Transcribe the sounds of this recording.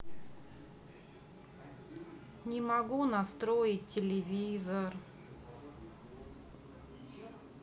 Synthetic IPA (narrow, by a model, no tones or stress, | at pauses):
nʲɪmɐɡunɐst̪ɾojɪtʲːɪlʲɪvʲizər